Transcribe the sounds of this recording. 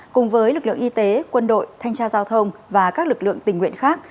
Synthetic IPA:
kʊ˨˩ŋ͡mvəː˨˦jlɨ˨˩k̚lɨ̰˧˨əŋʔi˧t̪e˨˦kwə˧nɗo̰˧˨jt̪ʰa˧jŋ̟t͡ɕaː˧zaː˧wt̪ʰə˧wŋ͡mvaː˨˩kaː˦˥k̚lɨ˨˩k̚lɨ̰˧˨əŋt̪ï˨˩ŋ̟ŋwḭ˧ənxaː˦˥k̚

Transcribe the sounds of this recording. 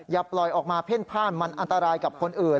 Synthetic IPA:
jaː˧plɔ˨˩jʔɔː˨˩k̚maː˧pʰe˦˥˩npʰaː˥˩nma˧nʔa˧nt̪a˧ɾaː˧jka˨˩p̚kʰo˧nʔɯː˨˩n

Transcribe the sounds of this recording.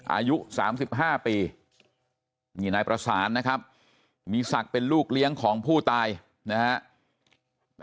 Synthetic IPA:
ʔa̰˧ju˦˥ʔsaː˩˦msi˨˩p̚ɦaː˥˩piː˧ | miː˧˩naː˧jpɾa˧saː˩˦nːa˦˥kʰa˦˥p̚ | miː˧sa˨˩k̚pe˧nluː˥˩k̚li˦˥əŋkʰɔː˩˦ŋpʰuː˥˩t̪aː˧j | na˦˥ha˦˥ʔ

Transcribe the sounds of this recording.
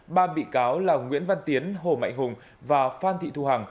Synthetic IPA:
ɓaː˧˩ɓḭ˧˨kaː˨˦wlaː˨˩ŋwḭ˧˥ənva˧nt̪i˨˦ənɦo˧˩ma̰˧˨jŋ̟hʊ˨˩ŋ͡m | vaː˨˩faː˧nt̪ʰḭ˧˨t̪u˧˩haː˨˩ŋ

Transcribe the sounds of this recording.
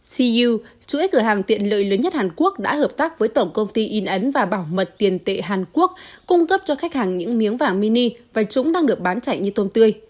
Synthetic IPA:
si˧u˧t͡ɕṵ˧˦jkɨ˧˩əɦaː˨˩ŋt̪ḭ˧˨ənlə̰ː˧˨jləː˨˦nɲə˦˥t̚haː˨˩nku˦˥ək̚ɗa̰ː˧˥həː˨˩p̚t̪aː˦˥k̚vəː˨˦jt̪o˧˩wkə˧wŋ͡mt̪i˧ʔi˧nʔə˨˦nvaː˨˩ɓaː˧˩wmə˨˩t̚t̪i˨˩ənt̪ḛ˧˨ɦaː˨˩nku˦˥ək̚kʊ˧ŋ͡mkə˦˥p̚t͡ɕɔ˧xa˦˥jk̟̚haː˨˩ŋɲɨ̰˧˥ŋmi˨˦əŋvaː˨˩ŋmi˧ni˧vaː˨˩t͡ɕʊ˨˦ŋ͡mɗaː˧ŋɗɨ˨˩ək̚ɓaː˨˦nt͡ɕa̰˧˨jŋ̟ɲɨ˧t̪o˧mt̪ɨ˧əj

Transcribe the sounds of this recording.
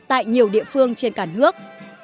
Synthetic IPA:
t̪a̰ː˧˨jɲi˨˩əwɗḭ˧˨əfɨ˧əŋt͡ɕe˧nkaː˧˩nɨ˦˥ək̚

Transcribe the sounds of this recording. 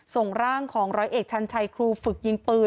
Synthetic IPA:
so˨˩ŋɾaː˥˩ŋkʰɔː˩˦ŋɾɔː˦˥jʔeː˨˩k̚t͡ɕʰa˧nt͡ɕʰa˧jkʰɾuː˧fɯ˨˩k̚ji˧ŋpɯː˧

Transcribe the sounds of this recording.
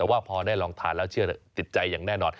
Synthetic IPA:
ɛː˨˩waː˥˩pʰɔː˧daː˥˩jlɔː˧ŋt̪ʰa̰ː˩˦nlɛː˦˥wt͡ɕʰɯ˥˩ɐ˦˩t̪i˨˩t̪̚t͡ɕa˧jːaː˨˩ŋnɛː˥˩nɔː˧n

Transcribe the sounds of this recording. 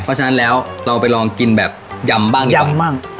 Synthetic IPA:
pʰɔ˦˥t͡ɕʰa˧na˦˥nlɛː˦˥wɾa˧wpa˧jlɔː˧ŋki˧nbɛː˨˩p̚ja˧mbaː˥˩ŋ˧mbaː˥˩ŋ

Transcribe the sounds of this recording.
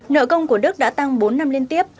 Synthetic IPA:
nə̰ː˧˨kə˧wŋ͡mku˧˩əɗɨ˦˥k̚ɗa̰ː˧˥t̪a˧ŋɓo˨˦nːa˧mli˧ənt̪i˦˥əp̚

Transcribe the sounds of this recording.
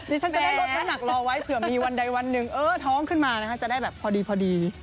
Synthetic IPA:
diː˧˦t͡ɕʰa˥na˨˩da˥˩lo˦˥˩t̪̚la˦˩˥mna˨˩k̚lɔː˧wa˦˥jt̪ʰɯ˩˦miː˧wa˧nda˧jwa˧nːɯ˨˩ŋʔɤː˧˩t̪ʰɔː˦˥ŋkʰɯ˥˩nmaː˧na˦˥kʰa˦˥t͡ɕa˨˩da˥˩jbɛː˨˩pʰɔː˧diː˧pʰɔː˧diː˧

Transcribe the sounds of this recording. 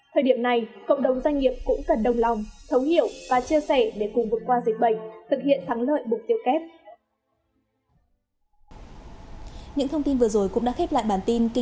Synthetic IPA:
t̪ʰəː˨˩ɗi˧˩əmna˨˩jkə̰˧˨wŋ͡mɗə˨˩wŋ͡mzwa˧jŋ̟ŋi˨˩əp̚kʊ̰˧˥ŋ͡mkə˨˩nɗə˨˩wŋ͡mla˨˩wŋ͡mt̪ʰə˨˦whi˧˨əwvaː˨˩t͡ɕi˧əsɛ˧˩ɗe˧˩kʊ˨˩ŋ͡mvɨ˨˩kwaː˧zi˨˩k̟̚ɓə˧˩jŋ̟̚t̪ʰɨ˨˩k̚hḭ˧˨ənt̪ʰa˨˦ŋlə̰ː˧˨jmʊ˨˩k͡p̚t̪i˧əwkɛ˦˥p̚ | ɲɨ̰˧˥ŋt̪ʰə˧wŋ͡mt̪i˧nvɨ˨˩əzo˨˩jkʊ̰˧˥ŋ͡mɗa̰ː˧˥xe˦˥p̚la̰ː˧˨jɓaː˨˩nt̪i˧nki˧

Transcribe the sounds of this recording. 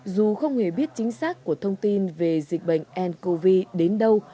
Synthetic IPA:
zu˨˩xə˧wŋ͡mhe˧˩ɓi˦˥ət̚t͡ɕï˨˦ŋ̟saː˦˥k̚ːu˧˩ət̪ʰə˧wŋ͡mt̪i˧nve˨˩zï˨˩k̟̚ɓə̰˧˨jŋ̟ʔɛ˧nko˧vi˧ɗe˨˦nɗə˧w

